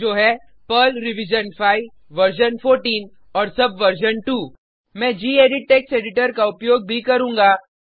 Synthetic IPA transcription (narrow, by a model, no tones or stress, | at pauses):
d͡ʒoːɦɛ | pəlɾɪʋɪd͡ʒənfʰaːiʋ | ʋɐɾʃənfʰoːɾʈiːn | ɔːɾsɐbʋɐɾʃ̬ənʈuː | mɛ̃ːd͡ʒiːeːɖɪʈ̚ʈːeːkseːɖɪʈəɾkaʊpjoːɡ̚bʱikɐɾũːŋɡaː